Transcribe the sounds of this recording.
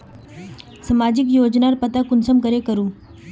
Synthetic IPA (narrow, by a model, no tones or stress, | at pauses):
səmad͡ʑikjod͡ʑnaɾpət̪akunsəmkəɾekəɾuː